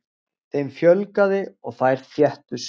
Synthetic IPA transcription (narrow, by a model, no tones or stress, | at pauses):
θejmfjœlkaðɪɔɣθajɾ̥fjɛht̪ʏs